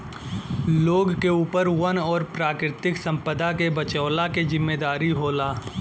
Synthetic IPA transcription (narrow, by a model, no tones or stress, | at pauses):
loːɡkeuːpəɾwɐnɔːɾpɾaːkɾɪt̪ɪksɐ̃mpəd̪akebɐt͡ʃəːlakezɪmːeːd̪aːɾiɦoːlaː